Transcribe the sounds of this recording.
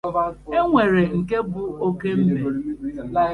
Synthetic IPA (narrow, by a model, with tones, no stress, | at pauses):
e˦ŋʷe˨ɾe˨ŋ̩˨ke˦bʊ˦o˦ke˦m̩˦be˨